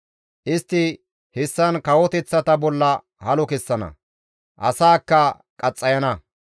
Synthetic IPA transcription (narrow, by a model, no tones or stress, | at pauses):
ʔɪst̪ːɪ | hɪsːɐnkɐwɔt̪ɛt͡sːɐt̪ɐbɔlːɐ | hɐlɔkɛsːɐnɐ̰ | ʔɐsaːkːɐ | kʼɐt͡sʼːɐjɐnɐ